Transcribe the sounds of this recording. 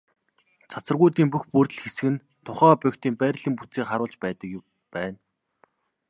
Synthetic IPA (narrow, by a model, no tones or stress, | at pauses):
t͡sʰat͡sə̆rɣujt̪iːmpuxpurt̪ɘ̆ɮxesɘ̆ɘ̆n | t̪ʰʊχæːpœkʲt̪iːmpæːrɮiːmput͡siːχaɾʊːɮt͡ɕpæːt̪ə̆k | pæːn